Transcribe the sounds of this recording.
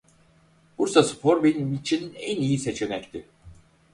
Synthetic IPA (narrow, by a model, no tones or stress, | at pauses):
b̥uɾsaspʰo̞ɾbe̞nimit͡ʃʰininænijise̞t͡ʃʰe̞nɛct̪ʰɪ